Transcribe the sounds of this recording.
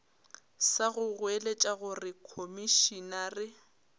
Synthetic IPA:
saɣʊɣwelet͡ʃʼaɣʊrɪkʰomiʃinarɪ

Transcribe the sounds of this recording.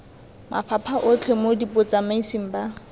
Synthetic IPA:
mʔa̰fapʰaʔʊt͡ɬʰemodipʼʊt͡sʼamaisiŋ̩ba

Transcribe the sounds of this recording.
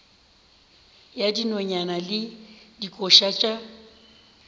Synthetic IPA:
jadinoɲanalɪdikʼɔʃat͡ʃʼa

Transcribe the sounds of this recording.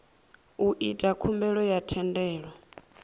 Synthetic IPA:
uʔitʼakʰumbɛɺɔjatʰɛndɛːɺɔ

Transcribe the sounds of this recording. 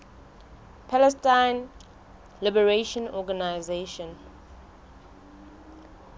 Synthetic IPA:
pʰalɛstãɪn | lɪbəɹeʃɔ̃nɔɡanaɪzeʃɔ̃n

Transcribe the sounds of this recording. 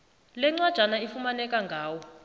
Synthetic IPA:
lɛŋ͡ǀwad̥ʒ̥ʱanaifumanɛk̬ʼaŋɡʱaːwɔ

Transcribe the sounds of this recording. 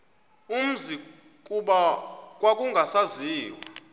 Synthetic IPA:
um̩zi | kʼuɓak̬ʼwak̬ʼuŋɡʱasaziːwa

